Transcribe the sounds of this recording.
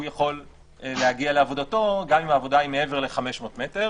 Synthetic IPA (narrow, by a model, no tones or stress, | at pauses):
ujaχo̞l | lehaɡiale̞avo̞dato̞ɡamimaːvo̞daimee̞ve̞ʁle̞χame̞ʃmo̞ːtmeteʁ